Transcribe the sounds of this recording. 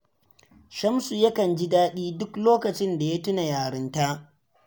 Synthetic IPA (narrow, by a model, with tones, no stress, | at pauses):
ʃɐ˦msu˨jɐ˦kɐ˨nd͡ʒi˦daː˦ɗiː˦dʊ˦kloː˦kɐ˨t͡ʃɪ˦nda˨ja˦tʊ˦na˨jaː˨ɽɪ˦nta˦ʔ